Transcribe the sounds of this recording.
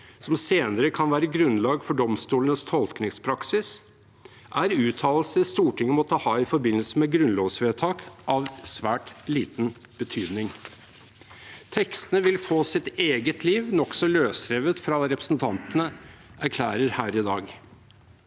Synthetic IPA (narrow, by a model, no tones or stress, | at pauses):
sɔmseːnəɾəkʰɑnʋæːɾəɡɾʉnlɑːɡfɔɖɔmst̪uːlənəst̪ʰɔlknɪŋspʰɾɑksɪs | ʔæɾʉːt̪ʰɑːll̩səst̪uːʈʰɪŋːəmɔt̪ʰːəhɑːɪfɔɾbɪnːəl̩səmɛɡɾʉnloːʋsʋeːt̪ʰɑːkʔɑʋsʋæːʈliːt̪n | b̥ət̪ʰyːd̪nɪŋ | t̪ʰɛkst̪ənəʋɪlfoːsɪt̪eːɡət̪ʰliːʋnɔksɔløːsɾeːʋət̪fɾɑɾɛpɾə̥snt̪ʰɑnt̪ənəʔæɾkʰlæːɾəɾhæːɾɪd̪ɑːɡ